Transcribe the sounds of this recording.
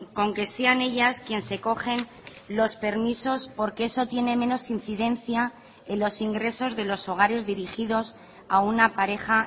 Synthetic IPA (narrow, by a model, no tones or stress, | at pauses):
ko̞ŋke̞seane̞ʎaskje̞nse̞ko̞xe̞n | lo̞spe̞ɾmiso̞spo̞ɾke̞eso̞t̪je̞ne̞mẽ̞no̞sin̟θiðẽ̞nθja | enlo̞siŋɡɾe̞so̞zðe̞lo̞so̞ɣ̞aɾe̞zðiɾixiðo̞s | aunapaɾe̞xa